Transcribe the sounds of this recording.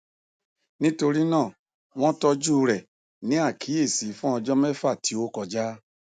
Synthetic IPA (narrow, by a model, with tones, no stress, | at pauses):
nĩ˦to˧ɾi˦nãː˦˨ | w̃ɔ̃˦tɔ˧d͡ʒu˦˧ɾɛ˨ | nĩ˨˦a˦˨kʰi˨˦e˦˨si˨˦fũ˦ɔ˧d͡ʒɔ˦mɛ̃˦fa˦˨ti˨˦o˦kɔ˧d͡ʒa˦